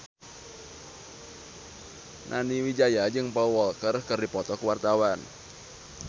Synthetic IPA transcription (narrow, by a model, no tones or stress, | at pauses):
nʔaniwid͡ʒajad͡ʒɨŋpɔwɔlkərkɨrdipɔt̪ɔkəwart̪awan